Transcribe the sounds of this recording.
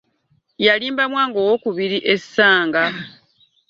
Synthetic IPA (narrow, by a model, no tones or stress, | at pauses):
jaliːmbamwaːŋɡoːwokuβiɾiʔe̞sːaːŋɡa